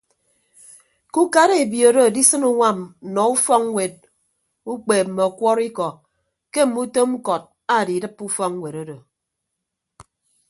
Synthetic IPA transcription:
ku˦ka˦ɾe˨bjo˨do˦˨di˦sɨ˦nu˦ŋʷa˦˨m̩˨nɔ˨u˦fɔ˦ŋŋ˦we˨t̚ | u˦k͡peː˨m̩˨me˨ɔ˨kʷɔ˦ɾi˦kɔ˨ | ke˦m̩˦˨mu˦to˦ŋ͡m̩˦kɔ˨t̚ | a˦˨di˨dɨ˦pːu˦fɔ˦ŋŋ˦we˨ɾo˦do˨

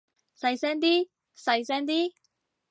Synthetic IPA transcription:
sɐ˧jsɛː˥ŋt̪iː˥ | sɐ˧jsɛː˥ŋt̪iː˥

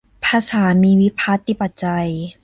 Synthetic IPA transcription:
pʰa˧saː˩˦miː˧wi˦˥pʰaː˦˥t̪i˨˧˩pːa˨˩t̪̚t͡ɕa˧j

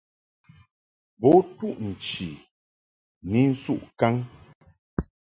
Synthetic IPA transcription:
bo˦tu˦ʔn̩˨t͡ʃi˨ | ni˨˦n̩˦su˦˨ʔka˦ŋ

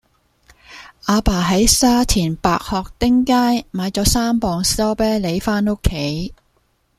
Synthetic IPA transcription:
ʔaː˨˧paː˨˩ɦɐ˨˥jsaː˥t͡sʰiː˨˩npaː˧k̚hɔː˨k̚t̪ɪ˥ŋkaː˥jmaː˨˧jt͡sɔː˨˥saː˥mpɔː˨ŋsɔː˥pɛː˥le˨˧˥jfaː˥no˥kʰːe˨˥j

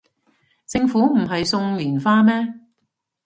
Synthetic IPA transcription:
t͡sɪ˧ŋfuː˨˥m̩˨˩ɦɐ˨jsʊ˧ŋlyː˨˩nfaː˧mɛː˥

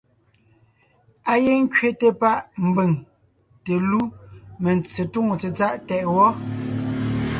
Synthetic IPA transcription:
a˦ɣe˦ŋ̩˦kɥe˦te˨pa˦ʔm̩˨be˨ŋ | te˨lu˦me˨n˨t͡se˨tu˦˨ŋo˨t͡se˨t͡sa˦ʔtɛ˨ʔwɔ˦

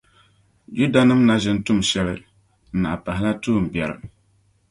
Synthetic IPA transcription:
d͡ʒu˦da˨nɨ˦mna˦zɪ˦n˦tʊ˦mʃɛ˦lɨ˦ | n̩˨na̰˨pa˨hɪ˦la˦tuː˦˨m̩˨bɛ˨ɾɨ̰˨

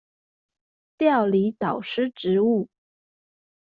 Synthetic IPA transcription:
t̪jɑ˥˩ʊli˧˥t̪ɑ˨˩ʊʂɻ̩˥˩ʈ͡ʂɻ̩˧˥u˥˩

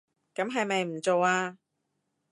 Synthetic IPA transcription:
kɐ˨˥mɦɐ˨jmɐ˨jm̩˨˩t͡so˨waː˧

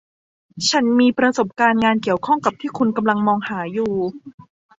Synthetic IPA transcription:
t͡ɕʰa˦˥nmiː˧pɾa˧so˨˩p̚kaː˧nŋaː˧nki˨˩əwkʰɔ˥˩ŋka˨˩p̚t̪ʰiː˥˩kʰu˧nka˧mla˧ŋmɔː˧ŋhaː˩˦juː˨˩

